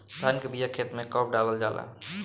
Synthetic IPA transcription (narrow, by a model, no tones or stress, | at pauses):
sʰankebijakʰet̪mẽkəp̚ɖaləld͡ʒaːla̰